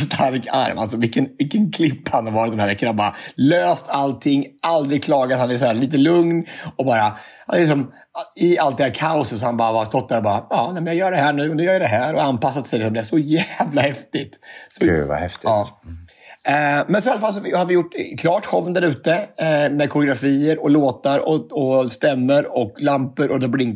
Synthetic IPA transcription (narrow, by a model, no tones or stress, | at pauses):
st̪ʰaɾka̰ɾva̰lsɔvɪkːənvɪkːənkʰlɪpːhanhaɾvɑːɾɪt̪̚d̪ɛnæɾvɛkːanaɾbɑːɾa̰løːst̪ʰalt̪ʰɪŋːald̪ɾɪkʰlɑːɡat̪hanæsɔæːɾɭiːt̪̬əlɵŋnɔbɑːɾaha̰nɛɾlɪks̬ɔm | ɪalt̪d̪ɛhæːɾkʰaʊsət̪sɔhanbɑːɾavhast̪ɔt̪̚d̪æɾɔbɑːɾaɑːnɛːmɛnjɑɡjœːɖɛhæːɳʉ̟ːɔnʉjœːɾjad̪ɛɦæːɾɔanpasːat̪sɛj̪ɪsɔmd̪ɛæʂɔjæːvlahɛft̪ɪt̪sɔʉ̰va̰hɛft̪ɪɑː | mɛnsɔalafalːs̬ɔvɪhaɾvɪjʊʈːkʰlɑːʈhɔvnd̪æɾʉ̟ːt̪əmɛd̪̚kʰɔɾɪʊɡɾafiːəɾɔloːt̪aɾɔɔst̪ɛmːəɾɔklampəɾʔɔd̪ɛblɪŋ